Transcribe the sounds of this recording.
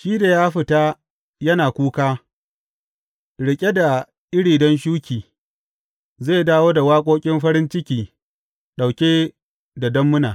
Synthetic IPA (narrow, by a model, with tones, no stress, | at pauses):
ʃiː˦da˨jaː˦ɸɪ˨ta˦ | jɐ˦naː˨kʷuː˦kaː˦ | ɽɪ˨kʲʼe˦da˨ | ʔɪ˦ɽiː˨dɐ˦nʃuː˦kʲiː˨ | zeː˦˨daː˦woː˦da˨waː˦kʷʼoː˦kʲʼɪ˦mɸɐ˦ɾɪ˦nt͡ʃɪ˦kʲiː˨ | ɗa˨wkʲeː˦ | da˨dɐ˦mːʊ˦na̰ː˨